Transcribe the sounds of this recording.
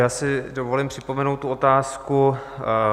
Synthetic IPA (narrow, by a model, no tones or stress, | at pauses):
jaːsɪdovo̞limpr̥ɪpo̞mɛnowt̪ːuo̞t̪aːsku